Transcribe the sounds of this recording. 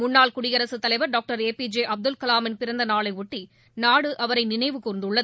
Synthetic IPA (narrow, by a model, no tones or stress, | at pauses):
mʊnːaːɭkʊɽɪjɐɾɐsɯt̪ːɐlɐɪʋɐɾɖoːk̚ʈɐɾeːpid͡ʒeːʔɐb̚d̪ɯlkɐlaːmɪnpɪɾɐnd̪ɐnaːɭɐɪʊʈːi | naːɽɯʔɐʋɐɾɐɪnɪnɐɪʋɯkuːɾnd̪ɯɭːɐðɯ